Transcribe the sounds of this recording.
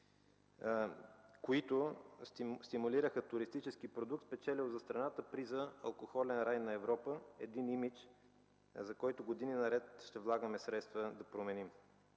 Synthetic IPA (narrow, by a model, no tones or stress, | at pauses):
koit̪ʊsst̪imʊliɾəxət̪ʊɾist̪it͡ʃɛsk̟ipɾod̪ukt̪spɛt͡ʃɛlizɐst̪ɾɐnat̪əpɾizəɐ̰lˠkoxɔlɛnɾajnɐɛvɾɔpəɛ̰d̪inimit͡ʃ | zɐkɔjt̪ʊɡod̪ininɐɾɛt̪ʃt̪ɛvlˠaɡəmɛsɾɛt̪st̪vəd̪ɐpɾomɛnim